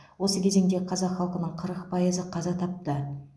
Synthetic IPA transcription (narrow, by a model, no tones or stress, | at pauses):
wo̞səkʲʰeze̞ŋd̪eqʰɑzɑqχɑlˠqənəɴqʰəɾəqpʰɑjəzəqʰɑzɑt̪ʰɑp̚t̪ə